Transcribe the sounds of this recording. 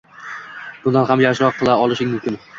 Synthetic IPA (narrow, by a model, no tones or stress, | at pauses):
b̥ʊnd̪anhamjaʃɾɒqʰːɨlˠaɒlˠɪʃɪŋʲmʊmkʲɪn